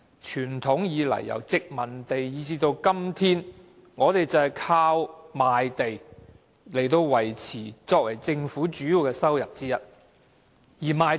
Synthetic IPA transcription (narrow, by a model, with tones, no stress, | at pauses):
t͡ʃʰyː˨˩nt̪ʰʊ˨˥ŋjiː˨˧lɐ̰˨˩jːɐ̰˨˩wt͡sɪ˨k̚mɐ˨˩nt̪e˨jjiː˨˧t͡siː˧t̪o˧wkɐ˥mt̪ʰiː˥n | ŋɔː˨˧t̪e˨jt͡sɐ˨hɐ˨˩jkʰaː˧wmaː˨jt̪e˨j | le˨˩jt̪o˧wwɐ˨˩jt͡sʰiː˨˩t͡sɔː˧k̚wɐ˨˩jt͡sɪ˧ŋfuː˨˥t͡ʃyː˨˥ji˨˧wkɛː˧sɐ˥wjɐ˨p̚t͡siː˥jɐ˥t̚ | jiː˨˩maː˨˧